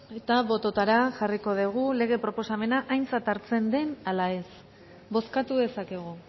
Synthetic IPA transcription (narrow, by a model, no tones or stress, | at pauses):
e̞t̪aβo̞t̪o̞t̪aɾaʝariko̞ðeɣ̞ule̞ɣ̞e̞pɾo̞po̞same̞naʔajnt͡sat̪aɾt͡se̞nd̪e̞nalae̞s | bo̞skat̪uðe̞sake̞ɣ̞u